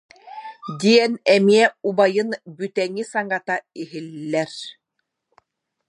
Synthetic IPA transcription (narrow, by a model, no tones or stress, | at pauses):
d̪iɛnɛmiɛubajɯnbyt̪ɛŋisaŋat̪aiɦilːɛɾ